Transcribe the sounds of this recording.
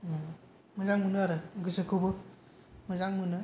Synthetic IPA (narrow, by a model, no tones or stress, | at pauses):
mɯzaŋmɯnɯaɾɯɡisɯkʰubɯ | mɯzaŋmɯnɯ